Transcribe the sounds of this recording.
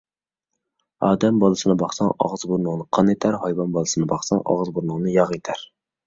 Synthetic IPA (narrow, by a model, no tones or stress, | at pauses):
ɑːd̪ɛmbɑlˠɨsɨnɨbɑχsɑŋɑ̰ʁzbuɾnəŋnɨqʰɑnet̪ʰæɾhɑjvɑnbɑlˠɨsɨnɨbɑχsɑŋʔɑ̰ʁzbuɾnɨŋnɨjɑʁet̪ʰæɾ